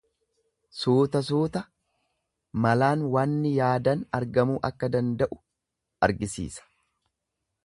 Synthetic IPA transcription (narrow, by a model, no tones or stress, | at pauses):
suːt̪ɐs̬uːt̪ɐ | mɐlaːnwanːɪjaːd̪ɐnɐɾɡɐmuːʔɐkːɐd̪ɐnd̪ɐʔʊ̥ | ɐɾɡɪsḭːsɐ̥